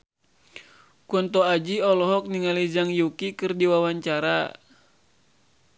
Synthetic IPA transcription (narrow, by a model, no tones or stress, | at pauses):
kɔnt̪ɔad͡ʒiɔlɔɦɔk̚niŋalid͡ʒaŋjukikɨrdiwawaɲt͡ʃaɾa